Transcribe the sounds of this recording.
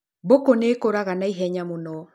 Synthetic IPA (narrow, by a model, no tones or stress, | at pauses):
bokoneːkoɾaɣanaiɦɛɲamunɔ